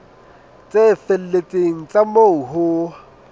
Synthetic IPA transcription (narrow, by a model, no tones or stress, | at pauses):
t͡sʼefel̩let͡sʼeŋ̩t͡sʼamouɦʊ